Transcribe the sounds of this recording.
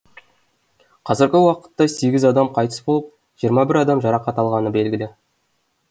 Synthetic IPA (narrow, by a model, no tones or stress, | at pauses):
qʰɑzɪɾɡʲɪwɑqə̥t̪ːɑse̞ɡʲɪzɑd̪ɑmqʰɑjt̪ə̥sbolˠəp̚ | ʒ̥ijəɾmɑbɪɾɑd̪ɑmʒɑɾɑqɑt̪ɑlˠʁɑnəbe̞lɡʲɪlɪ